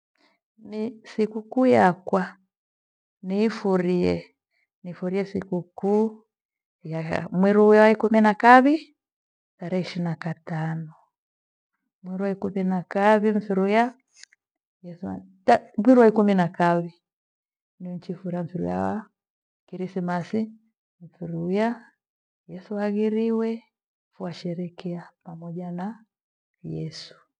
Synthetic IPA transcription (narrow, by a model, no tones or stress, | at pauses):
misikukujakwa | niːfuɾiɛ | nifuɾiɛsikuku | ja̰mwiɾujawaikuminakaβi | taɾɛiʃinakatanɔ | mwiɾuwaikuminakaβim̩fiɾuja | jɛstamwiɾuaikuminakaβi | niɔɲ̩t͡ʃifuɾaɱ̩fiɾṵja̰wa | kiɾisimasi | m̩fiɾuja | jɛsuaɣiɾiwɛ | fuaʃɛɾɛkɛapamɔʄana | jɛsu̥